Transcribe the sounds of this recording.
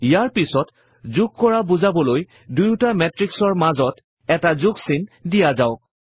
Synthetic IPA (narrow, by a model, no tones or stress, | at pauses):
ijaɹpisɔt | zʊɡ̚kɔɹabuzabɔloj | dujʊtamɛtɹiksɔɹmazɔt | ɛtazʊɡsindijazaʊ